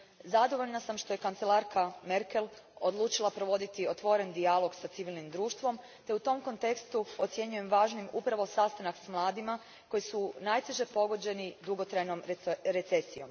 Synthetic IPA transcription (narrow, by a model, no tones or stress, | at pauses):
zad̪o̞ʋo̞ʎnasamʃt̪o̞jekant̪se̞lˠaɾkʰame̞ɾke̞lˠo̞d̪lˠuːt͡ʃilˠapɾo̞ʋo̞d̪it̪io̞t̪ʋo̞ɾe̞nd̪ialˠo̞ɡsat̪siʋilˠnimd̪ɾuːʃt̪ʋo̞m | t̪e̞ut̪o̞mko̞nt̪e̞kst̪uo̞t̪sje̞ɲuje̞mʋaːʒnimupɾaʋo̞sast̪anaksmlˠaːd̪ima | ko̞jisunaːjt̪eʒepo̞ɡo̞d͡ʑe̞nid̪uɡo̞t̪ɾajno̞mɾet̪sesijo̞m